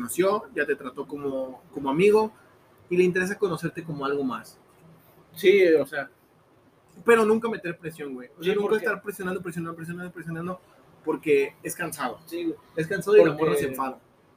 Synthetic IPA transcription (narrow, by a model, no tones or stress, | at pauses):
onosjo̞ɟ͡ʝat̪e̞t̪ɾat̪o̞ko̞moko̞moamiɣ̞o̞ | ile̞int̪eɾe̞s̬ako̞no̞se̞ɾt̪eko̞moalɣo̞mas | siosea | pe̞ɾo̞nũŋkame̞t̪e̞ɾpɾe̞sjo̞ŋɡwejoseanũŋkkaest̪aɾpɾe̞sjonand̪opɾesjonand̪opɾes̬jonand̪opɾesjonãnd̪o | po̞ɾke̞e̞skansaðosies̬kansaðoilamoɾnoseɱfaða